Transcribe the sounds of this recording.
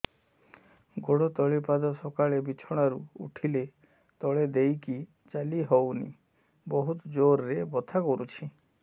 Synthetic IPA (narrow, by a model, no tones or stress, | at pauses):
ɡoɽɔt̪ɔɭipad̪ɔsɔkaɭebit͡ʃʰɔɽ̃aɾuṵʈʰile | t̪ɔɭed̪ejki | t͡ʃaliɦɔwnḭ | bɔɦut̪ɔd͡ʒoɾːebɔt̪ʰakɔɾut͡ʃʰi